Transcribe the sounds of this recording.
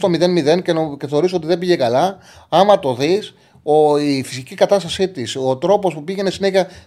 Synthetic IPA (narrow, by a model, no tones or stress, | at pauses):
t̪o̞miðe̞nmiðe̞ncenoceθe̞ɾiso̞t̪iðe̞biʝe̞kɐlɐ | ɐmɐt̪o̞ðis | oifi̥sicikɐt̪ɐst̪ɐsit̪iso̞t̪ɾo̞po̞spupiʝe̞nesine̞çɐ